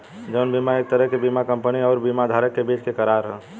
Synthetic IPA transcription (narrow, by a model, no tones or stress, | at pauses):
d͡ʒəʊnbimaek̚t̪əɾəɦkebimakəmpəniɔʊɾbimad̪ʱaɾəkːebit͡ʃkekəɾaɾɦə